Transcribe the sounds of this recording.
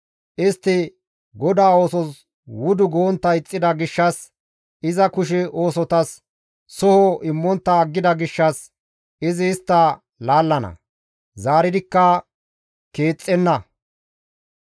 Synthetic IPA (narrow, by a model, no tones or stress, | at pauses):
ʔɪst̪ːɪ | ɡɔd̪aːo̞ːsɔs | wʊd̪ʊɡoːnt̪ːɐɪt͡sʼːɪd̪ɐɡɪʃːɐs | ɪzɐkʊʃ̬ɛo̞ːsɔt̪ɐsː | ɔhɔʔɪmːɔnt̪ːɐːɡːɪd̪ɐɡɪʃːɐs | ɪzɪːst̪ːɐ | laːlːɐnɐ̰ | zaːɾɪd̪ɪkːɐ | ke̞ːt͡sʼːɛnːɐ